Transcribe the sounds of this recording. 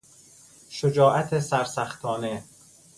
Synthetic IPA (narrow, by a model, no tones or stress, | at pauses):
ʃod͡ʒɒːʔæt̪ʰesæɾsæxt̪ʰɒːne